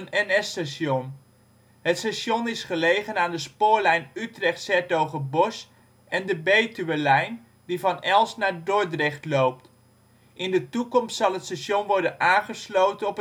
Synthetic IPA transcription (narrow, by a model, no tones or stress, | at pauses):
nɛnɛstaʃɔn | ɦətsaʃɔnɪsχəlejχənaːndəspʊːɹlɛjnytrɛχtsɛɹtowχəbɔs | ɛndəbejtyʋəlɛjn | divɑnɛlˠsnaːɹdɔɹdrɪχtlowp̚t | ʔɪndətukɔmstsɑlˠɦətstaʃɔnʋɔɹdənaːnχəslowtənɔpə